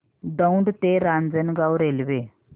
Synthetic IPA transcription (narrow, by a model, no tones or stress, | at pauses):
d̪əuɳɖt̪eɾand͡zənɡawɾelʋe